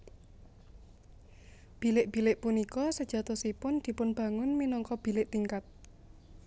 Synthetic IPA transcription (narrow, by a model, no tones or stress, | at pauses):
b̥i̤lɪʔb̥i̤lɪʔpunikɔsəd̥ʒ̥ä̤t̪osipʊnd̪̥i̤pʊnb̥ä̤ŋʊnminɔŋkɔb̥i̤lɪʔt̪iŋkat̪̚